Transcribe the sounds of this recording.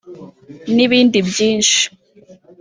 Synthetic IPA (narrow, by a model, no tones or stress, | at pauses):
niβiːndibjiːnʃi̥